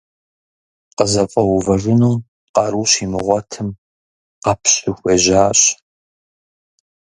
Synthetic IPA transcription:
qəzɐfʼɐwʊvɐʒʷʊnuw | qɑɾuːɕiːmɨʁʷɔtʰɨm | qɑpʰɕʼuxʷeːʑaːɕʼ

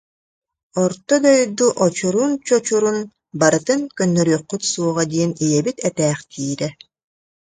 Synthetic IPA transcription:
ɔɾt̪ɔd̪ɔjd̪uʔɔt͡ɕuɾuːnt͡ɕɔt͡ɕuɾun | baɾɯt̪ɯŋkœnːœɾyːqːyt̪suɔʁad̪iɛnijɛbit̪ɛt̪ɛːχt̪ʰiːɾɛ

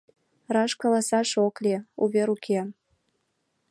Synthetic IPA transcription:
rɑʃkolɑsɑʃokleṵβeɾukʰe

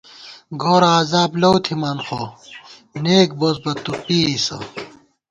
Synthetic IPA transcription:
ɡoːɾɐaːzaːblɐwt̪ʰimaːnxoː | neːk̚boːsbɐt̪ːupiːisɐ̰

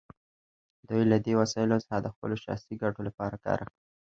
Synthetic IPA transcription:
d̪ujlad̪ewasɑɪlosə̥xɑd̪əxpə̰loʃɑ̰siɡaʈolapɑɾakɑ̰ɾʔaxɽi

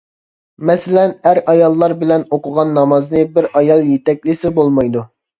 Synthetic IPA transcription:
mɛsɪlɛnæɾɑjɑlˠːɑɾbɪlɛnoqʰʊʁɑnːɑmɑznɨbɪɾɑjɑlˠjet̪ɛk̚ʲlɪsɪbolˠmɑjd̪u

